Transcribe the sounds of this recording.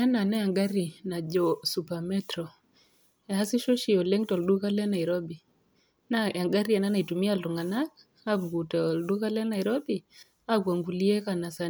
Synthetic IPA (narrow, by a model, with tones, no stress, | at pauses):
a˦na˨na˦ja˨ŋɡa˦ɾi˨na˨d͡ʒɔsupamɛtɾɔ˨ | a˦si˦ʃo˦ʃi˨ɔ˨lɛ˦ŋtɔ˨ldu˦ka˦lɛ˦na˨iɾɔbi˨ | naja˨ŋɡa˦ɾia˨na˦na˨i˨tumialtu˨ŋɡa˨na˦k | aβukutɛɔ˨lɗu˦ka˦lɛ˦na˨iɾɔ˦bi | akwa˨ŋɡu˨li˦ɛ˦ka˨nasa